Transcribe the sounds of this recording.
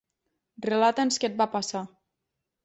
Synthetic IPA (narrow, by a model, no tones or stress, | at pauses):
relat̪ensket̪̚bapasa